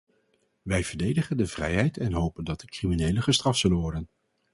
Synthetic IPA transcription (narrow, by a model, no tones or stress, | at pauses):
ʋɛjv̥əɹdejdəχəndəv̥rɛjɦɛjtʰɛnɦowpəndɑt̚dəkriminejləχəstrɑftsɵlənʋɔɹdən